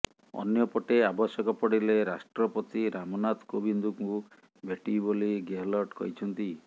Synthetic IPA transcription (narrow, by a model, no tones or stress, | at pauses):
ɔ̰njɔpɔʈeabɔsjɔkɔpɔɽileɾasʈɾɔpɔt̪iɾamɔnat̪kobind̪ukŋku | beʈiboliɡeɦlɔɾʈkɔɦit͡ʃʰɔnt̪i